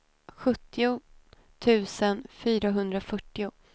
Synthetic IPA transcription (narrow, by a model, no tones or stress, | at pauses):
ɧɵt̪ːɪʊ | t̪ʰʉ̟ːsənfyːɾaɦɵnd̪ɾafœʈːɪʊ